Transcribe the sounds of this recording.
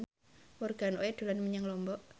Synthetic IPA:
wɔrɡ̥anoɛd̪̥ulanməɲaŋlɔmbɔʔ

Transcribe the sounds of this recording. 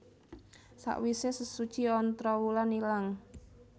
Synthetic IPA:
sa̰ʔwisesəsu̥t͡ʃiɔnt̪ɾɔwulanilaŋ

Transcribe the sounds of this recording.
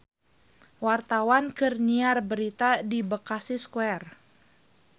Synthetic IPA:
wart̪awankərniarbəɾit̪adibəkasiskwɛr

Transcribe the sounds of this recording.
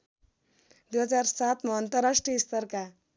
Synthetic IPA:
d̪uɦʌd͡ʒaɾsat̪mʌːnt̪əɾaʂʈiist̪əɾka

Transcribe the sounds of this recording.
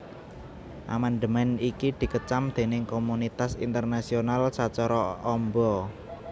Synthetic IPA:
ʔa̰mand̪əmɛnikid̪̥i̤kət͡ʃamd̪̥e̤nɪŋkomunit̪asḭnt̪ərnasionalsat͡ʃɔɾɔɔmbɔ

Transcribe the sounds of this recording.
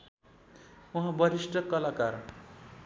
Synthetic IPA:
uɦãbʌɾisʈʌkʌlakar

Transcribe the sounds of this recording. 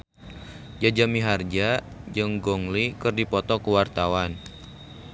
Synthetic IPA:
d͡ʒad͡ʒamiɦard͡ʒa | d͡ʒəŋɡɔŋlikɨrdipɔt̪ɔkəwart̪awan

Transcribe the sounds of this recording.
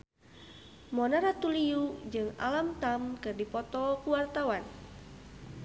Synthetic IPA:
mɔnaɾat̪uliud͡ʒɨŋa̰lamt̪amkɨrdipɔt̪ɔkuwart̪awan

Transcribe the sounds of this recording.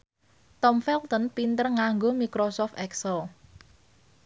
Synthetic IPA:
t̪ɔmfɛlt̪ɔnpint̪ərŋaŋɡomikɾosɔft̪ɛksəl

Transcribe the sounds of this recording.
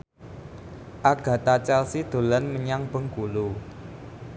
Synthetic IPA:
ʔaɡ̥ä̤t̪at͡ʃalsid̪̥o̤lənməɲaŋb̥ə̤ŋɡulu

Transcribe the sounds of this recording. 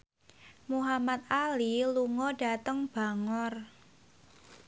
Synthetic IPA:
muɦamat̪̚aliluŋɔɖa̤t̪əŋb̥a̤ŋɔr

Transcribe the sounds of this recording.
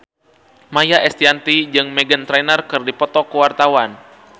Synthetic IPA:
majaʔɛst̪iant̪id͡ʒɨŋmɛɡənt̪ɾɛnərkɨrdipɔt̪ɔkəwart̪awan

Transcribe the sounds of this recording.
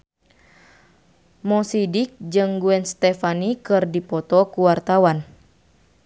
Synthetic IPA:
mɔsidik̚d͡ʒɨŋɡuɛnst̪ɛfanikɨrdipɔt̪ɔkuwart̪awan

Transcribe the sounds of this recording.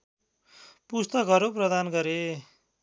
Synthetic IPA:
pust̪ʌkʌɾoprʌd̪anɡʌɾe

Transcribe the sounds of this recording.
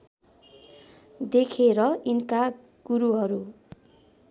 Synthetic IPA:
d̪ekʰeɾʌinka | ɡ̥uɾuɦʌɾu

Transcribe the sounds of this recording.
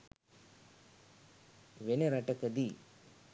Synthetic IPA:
ʋeneɾɐʈɐkɐd̪i

